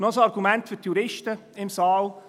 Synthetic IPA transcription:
nɔsɑɾɡumɛntfyɾtjuɾɪʃtəɪmsɑːl

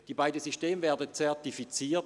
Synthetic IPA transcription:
d̥iːbaɪdəzyʃteːmvɛːɐdət͡sɛɐtifit͡siːɐt

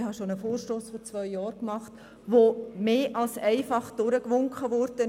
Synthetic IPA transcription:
hɑʃonəfoːɾʃtoːsfɔt͡svœʏjɑːɾkmɑχt | ʋomeːʔɑlsɛɪfɑχd̥ʊɾəkʋʊŋkχəʋɔɾd̥ə

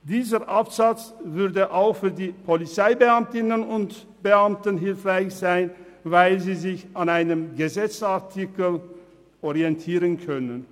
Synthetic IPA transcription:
d̥iːzəʔapz̥at͡svʏɐdəʔaʊxfyːɐdiːpʰɔlit͡saɪbəamtɪnənʊnt | b̥əʔamtənɦɪlfʁaɪçz̥aɪnvaɪlziːzɪçanaɪnəmɡəzɛt͡saʁtʰikəl | ʔɔʁiɛntʰiːʁənkʰœnən

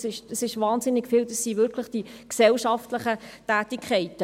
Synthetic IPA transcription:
sɪʃəsɪʃʋɑːnsɪnːɪkfild̥ɑsːivɪɾkʰləχd̥iksɛlʃɑftləχətæːtɪkʰχɛɪtə

